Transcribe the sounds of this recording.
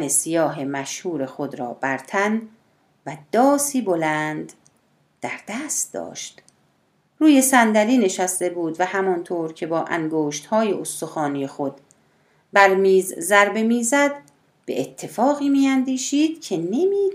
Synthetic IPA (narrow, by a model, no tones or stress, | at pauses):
nesijɒːɦe̞mæʃhuːɾe̞xo̞d̪ɾɒ̰ːbæɾt̪ʰæn | væd̪̥ɒːsiːbo̞lænd̪̥ː | æɾd̪̥æːst̪̚d̪ɒ̰ːʃt̪ | ruːje̞sænd̪æliːne̞ʃæst̪e̞buːd̪væhæmɒnt̪ʰoːɾcʰe̞bɒːʔæ̰ŋɡoːʃt̪hɒːje̞ʔost̪o̞xɒːniːjexo̞d̪ | bæɾmiːzzæɾbe̞miːzæd̪ | b̥ḛʔet̪ʰːe̞fɒːɣiːmiːænd̪iːʃiːd̪̥cʰe̞nemiː